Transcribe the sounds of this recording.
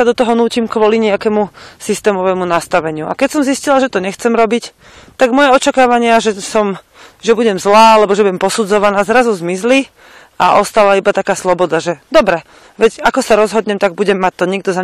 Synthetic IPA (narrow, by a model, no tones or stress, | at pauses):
ad̪ɔt̪ɔɦɔnuːcimkʋɔliɲɛakɛmusist̪ɛːmɔʋɛmunast̪aʋɛɲɪuʔa̰kɛcsɔmziscilaʒɛt̪ɔɲɛxt͡sɛmɾɔbic | t̪aɡmɔjɛɔt͡ʃakaːʋaɲɪaʒɛsɔm | ʒɛbuɟɛmzlaːalɛbɔʒɛbuɟɛmpɔsud͡zɔʋanaːzɾazuzmizli | aʔɔst̪alaibat̪akaːslɔbɔd̪aʒɛd̪ɔbɾɛ | ʋɛɟakɔsaɾɔzɦɔd̪ɲɛmt̪aɡ̚buɟɛmːac̚t̪ɔɲɛɡ̚d̪ɔza